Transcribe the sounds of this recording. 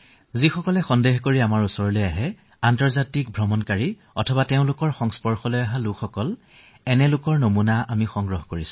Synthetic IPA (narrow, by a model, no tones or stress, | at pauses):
zixɔkɔlɛxɔndeɦkoɹiamaɹusɔɹɔlojaɦɛ | antɔɹzatik̚bʱɹɔmɔnkaɹi | ɔtʰɔbateʊ̃lʊkɔɹxɔŋspɔɹxɔlojaɦalʊkxɔkɔl | ɛnɛlʊkɔɹnomunaamixɔŋɡɹɔɦɔkoɹisʊ̥̃